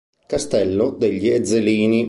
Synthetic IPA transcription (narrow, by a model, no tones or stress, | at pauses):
kast̪ɛlːod̪eʎːied̪zːeliːni